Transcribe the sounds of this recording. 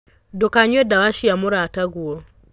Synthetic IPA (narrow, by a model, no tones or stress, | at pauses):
dɔkaɲwɛdawaʃijamʊɾataɡuɔ